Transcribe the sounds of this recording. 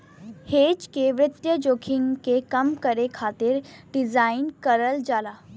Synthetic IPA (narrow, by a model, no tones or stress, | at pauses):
heːd͡ʒkeʋɾɪt̪jəd͡ʒoːkʰɪŋɡkekɐmkəɾekʰaːt̪ɪɾɖɪzaːɪnkəɾəld͡ʒaːlaː